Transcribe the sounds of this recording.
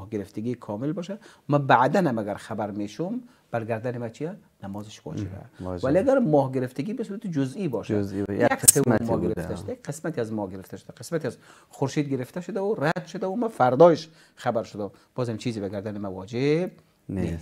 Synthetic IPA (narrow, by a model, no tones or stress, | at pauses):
hɡɪɾɪft̪ʰɪɡikʰɔːmɪlbɒːʃa | mæbaʕd̪anhamaɡaɾxabaɾmeːʃʊm | b̥æɾɡaɾd̪anɪmat͡ʃʰija | namɔːzɪʃvɔ̰d͡ʒḛbæ̰væliaɡæɾmɔːhɡɪɾɪft̪ɪɡiːbɪsuːɾat̪ɪd͡ʒʊzibɔʃa̰aksemmɔɡɪɾɪft̪aʃʊd̪aqʰesmat̪iazmɔɡɪɾɪft̪ʰaʃʊ̥d̪aqe̥smat̪iaz | χʊɾʃiːd̪̚ɡɪɾɪft̪ʰaʃʊd̪aʊɾad̪ʃʊd̪aumafaɾd̪ɔeʃ | χabaɾʃʊd̪ab̥ɔːzamt͡ʃʰiːzɪbaɡaɾd̪anɪmawɔd͡ʒeb̚ | nes